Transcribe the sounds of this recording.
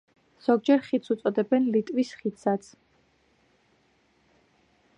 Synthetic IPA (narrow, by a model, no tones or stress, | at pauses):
z̥ɔɡ̚d͡ʒɛɾχit̪sut̪sʼɔd̪ɛbɛnlit̪ʼwisχit̪sat̪sʰ